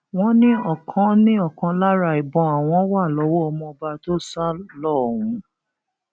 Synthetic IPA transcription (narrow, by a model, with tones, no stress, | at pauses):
w̃ɔ̃˦nĩ˦ɔ˦˨kʰɔ̃˧˦nĩ˦ɔ˦˨kã˧la˦ɾa˧˨i˨bɔ̃˧a˨w̃ɔ̃˧˦wa˦˨lɔ˨˦wɔ˦ɔ˧mɔ̃˧ba˧to˦˨sa˦lɔ˦˨wũ˨˦